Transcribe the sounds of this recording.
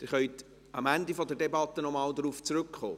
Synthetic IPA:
d̥̪ɪɾχœjt | ɑmænd̪ifɔdɛɾdebɑt̪ːənɔmɑːld̪ɾuːft͡sɾʉkχo̰ː

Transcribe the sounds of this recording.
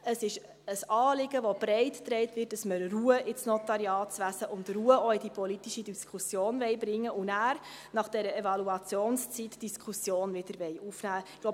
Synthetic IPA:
əsɪʃ | əsɑːlɪɡəʋob̥ɾɛɪttɾɛɪtvɪt̚d̥ɑsməɾruəʔɪsnɔt̪ɑɾjɑːtt͡sʋæsəʔʊndruəɔɪdipɔlitiʃidiskʰusjoːnʋɛɪbɾɪŋːəʊnæːɾ | nɑχd̥ɛɾəevɑluɑt͡sjoːnst͡sitd̥iskʰusjoːnvɪd̥əɾʋɛɪufnæːɡ̥lob

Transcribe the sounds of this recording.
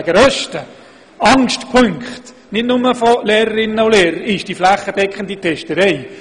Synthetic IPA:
ɡəɾœʃtə | ɑŋʃtpʰʏŋkχt | nɪtnʊməfɔleːɾəɾɪnːəuleːɾəɾɪʃd̥iflæχːəd̥ɛkχənditʰɛʃtəɾɛj

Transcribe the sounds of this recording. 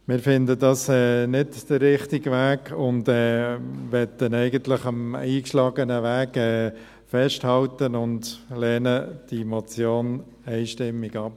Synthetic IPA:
mɪːɾfɪndədɑːsɛːnɪdd̥ərːɪχtɪɡʋæːɡʊndɛːʋɛt̪ənɛɪɡənt̪lɪχɑmiːkʃlɑːɡənəʋæːɡɛː | fɛʃthɑltənʊndlɛːnəd̥imɔt͡sjoːn | ɛɪʃtɪmːiɡɑp̚

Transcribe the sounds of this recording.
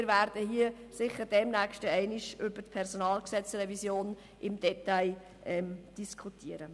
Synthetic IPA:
ɪɾvæːɾd̥əɦiəsɪχəd̥ɛmnækʃtəɛɪniʃʏb̥əɾtpʰɛrsonɑːlksɛt͡srɛvisjoːn | ʔɪmd̥ɛtaɪ | ʔɛmd̥iskʰutiəɾə

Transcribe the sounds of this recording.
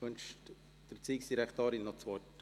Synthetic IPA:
ønʃt | d̥ərt͡siːksd̥̪iɾɛkt̪oːɾinːɔt͡sʋɔt

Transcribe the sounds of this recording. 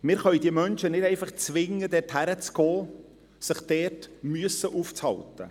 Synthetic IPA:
mɪːɾχœʏd̥̪iəmœnʃənɪdɛɪfɑχt͡sʋɪŋːəd̪ɛthæɾət͡sɡ̥ɔː | sɪχd̪̥ɛːɾtmyəsəʔuːft͡shɑ̰lt̪ə̰

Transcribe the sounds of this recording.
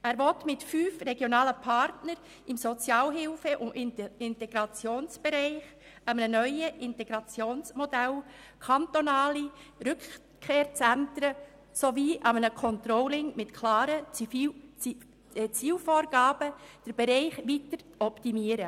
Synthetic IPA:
æːɾʋɔtmɪtfyːfrɛɡjonɑːləpʰɑɾtnəɾ | ɪmsot͡sjɑːlɦɪlfəʔʊɪntɛɡ̥ɾɑt͡sjoːnsb̥ɛɾɛɪχ | ɑmənənœʏəʔɪntɛɡ̥ɾɑt͡sjoːnsmɔdælkʰɑntonɑːliɾʏk | kʰːeːɾt͡sæntəɾə | soviːʔɑmənəkʰɔnt̪ɾɔwlɪŋmɪtkʰlɑːɾə | t͡siːlfoːɾɡɑːb̥əd̥əɾb̥ɛɾɛɪχʋitəɾt͡sɔptimiəɾə

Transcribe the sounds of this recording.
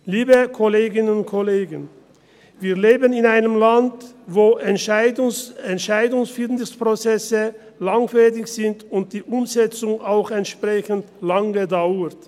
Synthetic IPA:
liːbəkʰoleːɡɪnənʊnkʰoleːɡən | viːɐleːbənɪnaɪnəmlant | voːʔɛnaɪdɛntʃaɪdʊŋsfɪlnɪspʁ̥ot͡sɛsə | laŋfɛdɪçz̥ɪntʊnt̚d̥iːʔʊmzɛt͡sʊŋaʊxɛntʃpʁ̥ɛçəntlaŋədaʊət

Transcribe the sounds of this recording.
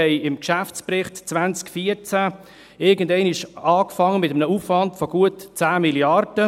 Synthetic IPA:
ɛɪɪmkʃæft͡sprɪχtt͡svænt͡skfiəɾt͡sæ | ɪɡəndɛɪniʃɑːkfɑŋːəmɪtəmənəufvɑndfɔɡ̥uətt͡sæːmiljɑrd̥ə

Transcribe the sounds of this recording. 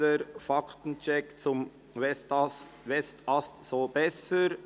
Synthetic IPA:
əɾfɑkʰtn̩t͡ʃɛkt͡sʊm | vɛs | ʋɛstɑstsoːbɛsəɾ

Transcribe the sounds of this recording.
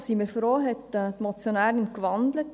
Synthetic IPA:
siməɾfɾoːɦɛtːt̪mɔt͡sjonæːɾənkʋɑnd̪lət

